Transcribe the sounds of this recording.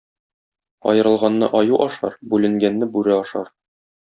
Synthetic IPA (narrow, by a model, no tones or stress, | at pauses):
ɒ̰jɤ̆ɾɤ̆lˠʁɑnːɤ̰ʔɒjuʔɒʃɑ̰ɾbʉlɘ̆ŋɡænːɘbʉɾæɒʃɑ̰ɾ